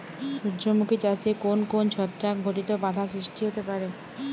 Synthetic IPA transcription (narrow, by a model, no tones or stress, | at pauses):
ʃuːd͡ʑomukit͡ɕasiekonkont͡ɕʰɔt̪ːɾaɡʱoʈit̪obad̪ʱasɾiʃʈiɦot̪epaɾe